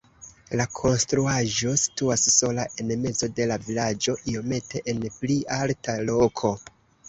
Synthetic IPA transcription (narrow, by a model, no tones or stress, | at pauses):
lakʰo̞nstɾuaʒo̞si̥tuasso̞laʔe̞nme̞zo̞de̞lavilad͡ʒo̞ʔio̞me̞tʰe̞ʔenplialtʰalo̞kʰo̞